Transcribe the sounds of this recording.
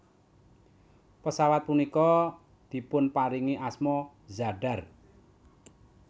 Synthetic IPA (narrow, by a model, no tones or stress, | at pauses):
pəsawat̪̚punikɔ | d̪̥i̤pʊnpaɾiŋiʔasmɔ | zaɖa̤r